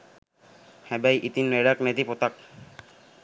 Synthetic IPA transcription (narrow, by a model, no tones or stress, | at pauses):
hɛbajʔit̪inːeɾaknet̪ipot̪ak̚